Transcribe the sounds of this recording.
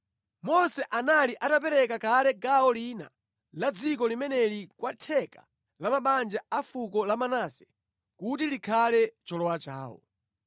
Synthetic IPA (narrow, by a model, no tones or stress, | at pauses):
mɔsɛʔanaliʔatap̬ɛɾɛkakalɛɡaɔliːna̰ | lad͡zikɔlimɛnɛlikwatʰɛka̰ | lamaɓand͡ʒaafukɔlamanaːsɛ̥ | kutilikʰalɛt͡ʃɔlɔwat͡ʃa̰ːwɔ̰